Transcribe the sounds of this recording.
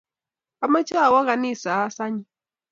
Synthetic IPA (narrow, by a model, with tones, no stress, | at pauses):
a˦ma˦t͡ʃa˦a˨wa˦ɣa˨ni˦˨sa˨a˦sa˦ɲi˨